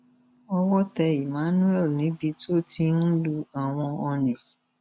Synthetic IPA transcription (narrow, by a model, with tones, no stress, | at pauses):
ɔ˧wɔ˦tɛ˧i˨mã˨˦nũ˦ɛ˦˨lnĩ˨˦bi˧tu˦o˦˨ti˧n̩˦lu˧a˨w̃ɔ̃˧ɔ˧nĩ˨